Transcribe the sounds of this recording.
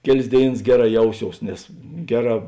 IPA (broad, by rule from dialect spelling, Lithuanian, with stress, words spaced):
ˈkʲæːˌlʲeːs ˈdʲeːɪˌnɐs ˈɡʲæːˌrɑː ˈjɛʊˌsʲoːʊs nʲɛs ˈɡʲæːˌrɑː